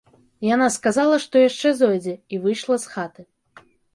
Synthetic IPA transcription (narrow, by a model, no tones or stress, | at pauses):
janaskazalˠɐʂt̪ɔjaʂt͡ʂɛzɔjd͡zʲɛivɨjʂlˠɐsxat̪ɨ